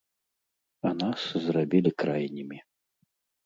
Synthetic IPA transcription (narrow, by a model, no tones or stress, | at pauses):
anaszrabʲilʲikɾajnʲimʲi